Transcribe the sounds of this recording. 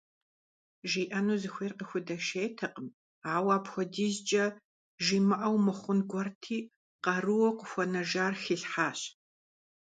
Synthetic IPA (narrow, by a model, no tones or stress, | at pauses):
ʒiːʔɐnuːzɨxʷeːrqəxʷʊdɐʃeːtʰɐqəm | aːwaːpxʷɔdiːzt͡ʃʼɐ | ʒimɨʔɐwmɨχʷʊnɡʷɔrtʰiː | qɐrɨwɔqʷʊxʷɔnɐʒaːrxiɬħaːɕ